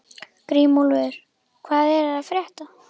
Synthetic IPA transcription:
kɾiːmulvɛɾ̥ | kʰvaːðɛɾafɾjɛht̪a

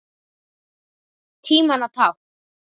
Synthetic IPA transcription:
t̪ʰiːmanat̪ʰaw

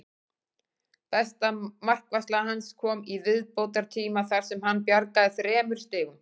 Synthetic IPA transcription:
θɛst̪amar̥kvaslahanskʰɔːmivɪðpowt̪aɾ̥t̪ʰiːmaθaɾ̥sɛmhanːpjaɾkaðɪθɾɛːmʏɾ̥st̪ɪːɣʏm

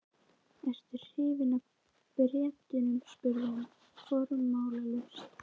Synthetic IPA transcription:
ɛst̪ʏɾ̥hɪːvɪna | prɛːcɪnʏmspʏɾðɪnʏm | fɔːɾʏmːaːwlalʏs

